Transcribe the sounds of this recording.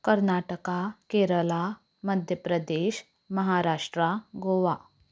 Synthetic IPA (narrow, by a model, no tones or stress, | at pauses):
kəɾnaʈəkakeɾəla | məd̪ʱjəpɾəd̪eɕ | məɦaɾaʂʈɾaɡoʋa